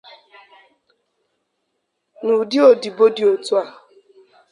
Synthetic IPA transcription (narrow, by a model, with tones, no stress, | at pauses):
nu˨dɪ˦o˨di˨bo˦di˨o˨tu˦a˨